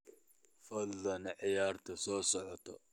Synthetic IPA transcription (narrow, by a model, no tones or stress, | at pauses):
fɐd̪ːɐnʕɪjaːrt̪ʰɐsɔːsɔʕɔt̪ʰɔ